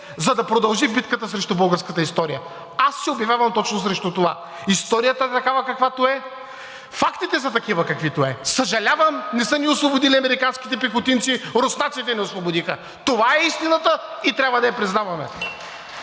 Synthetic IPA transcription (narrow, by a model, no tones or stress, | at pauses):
zɐd̪ɐpɾod̪ɐlˠʒibit̪kət̪əsɾɛʃt̪ʊbəlˠɡəɾskət̪əist̪ɔɾijə | asːiobjɐvʲjavɐmt̪ɔt͡ʃnʊsɾɛʃt̪ut̪ova | ist̪ɔɾijət̪əɛt̪ɐkavɐkɐkvat̪oɛ | fakt̪it̪ɛzɐt̪ɐkivɐkɐkvit̪oɛsɐʒɐlʲavɐmnɛsəniʊslˠobʊd̪iliɐmɛɾikanskʲi̥t̪ɛpixʊt̪int̪siɾosnat̪sit̪ɛnɛoslˠobʊd̪ixə | t̪ovaɛist̪inət̪əit̪ɾʲabvɐd̪ɐjɛpɾiznavɐmɛ̰